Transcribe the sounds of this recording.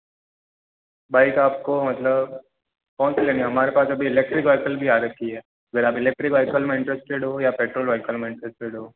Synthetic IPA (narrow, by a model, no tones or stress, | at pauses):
baikaːp̚komət̪ləb | kɔ̃ːnt͡sleniɦɐmaɾepaːsəbʱiːlek̚ʈɾikʋajkəlbʱiːaɾək̚kːiɛ | əɡʱəɾaːpɪlek̚ʈɾikʋajkəlmẽɪ̃ɳʈɾesʈeɽɦojapeʈɾoːlʋajkəlmẽɪ̃ɳʈɾesʈeɽɦo